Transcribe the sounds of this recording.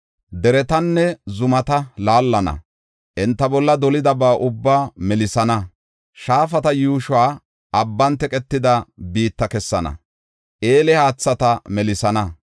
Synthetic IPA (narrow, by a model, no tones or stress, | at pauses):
d̪ɛɾɛt̪ɐnːɛzʊmɐt̪ɐlaːlːɐnɐ̰ | ʔɛnt̪ːɐbɔlːɐd̪ɔlɪd̪ɐbaːʔʊbːaːmɛlɪsɐnɐ | ʃaːfɐt̪ɐjuːʃwaː | ɐbːɐnt̪ɛkʼɛt̪ːɪd̪ɐbiːt̪ːɐkɛsːɐnɐ̰ | ʔe̞ːlɛhaːt͡sːɐt̪ɐmɛlɪsɐnɐ